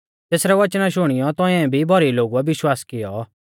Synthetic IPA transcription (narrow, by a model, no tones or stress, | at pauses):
t̪eːsɾɛʋɐt͡ʃnaʃʊɽ̃ɪjɔt̪ɔ̃ɛ̃bʱibʱɔɾiloːɡuɛʋɪʃwaːskɪjɔ